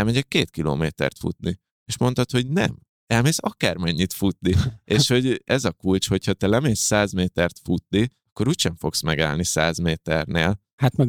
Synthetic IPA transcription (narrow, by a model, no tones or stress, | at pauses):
ɛlmɛɟɛkːeːt̪kilo̰ːmeːt̪ɛ̰rt̪fṵt̪ni | eːʃmo̞nt̪ɒt̪ho̞ɟnɛ̰m | ɛlmeːsɒkaːrmɛɲːit̪fut̪nieːʃho̞ɟɛzɒkult͡ʃho̞cʰhɒt̪ɛlɛmeːsːaːzmeːt̪ɛrt̪fut̪̚niɒkːo̞ɾuːcʃɛɱfo̞ksmɛɡa̰ːlnisaːzmeːt̪ɛrneːl | hat̪mɛɡ